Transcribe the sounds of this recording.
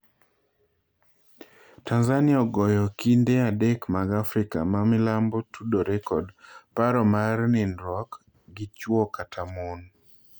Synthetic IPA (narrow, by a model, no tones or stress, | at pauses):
tʰanzaniaɔɡɔjɔkindeadɛkmaɡafɾɪka̰mamɪlambɔtudoɾɛkɔdpaɾɔmarnɪnɾɔk | ɡɪt͡ʃwɔkatʰamon